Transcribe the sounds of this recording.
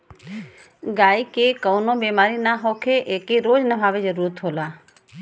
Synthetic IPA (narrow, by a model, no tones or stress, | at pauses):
ɡaikekəwnobemaɾinaɦokʰeʔekeɾod͡ʒnəbʱaːʋed͡ʒəɾuɾət̪ɦoːla